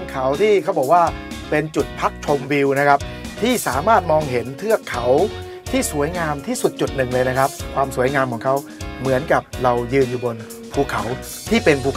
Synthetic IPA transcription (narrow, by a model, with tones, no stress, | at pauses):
ŋkʰa˩˦wt̪ʰiː˥˩kʰa˦˥wbɔː˨˩k̚waː˥˩ | pe˧nt͡ɕu˨˩t̪̚pʰa˦˥k̚t͡ɕʰo˧mwi˧wna˦˥kʰa˦˥p̚ | t̪ʰiː˥˩saː˩˦maː˥˩t̪̚mɔː˧ŋɦe˩˦nt̪ʰɯ˥˩ɐkʰːa˨˦˥w | t̪ʰiː˥˩su˨˩˦jŋaː˧mt̪ʰiː˥˩su˨˩t̪̚t͡ɕu˨˩t̪̚nɯ˨˩ŋlɤː˧jna˦˥kʰa˦˥p̚kʰwaː˧msu˩˦əjŋaː˧mkʰɔː˩˦ŋkʰa˦˥w | mɯ˩˦ənka˨˩p̚ɾa˧wjɯː˧njuː˨˩bo˧n | pʰuː˧˩kʰa˩˦w | t̪ʰiː˥˩pe˧npʰuː˧˩